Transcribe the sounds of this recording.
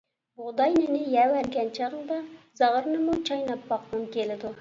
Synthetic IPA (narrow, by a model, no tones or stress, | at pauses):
bʊʁd̪ɑjnɪnɪjɛwæɾɡʲɛnt͡ʃʰɑʁnd̪ɑzɑʁəɾnɨmut͡ʃʰɑjnɑpːɑqnɨmkʲelɪd̪u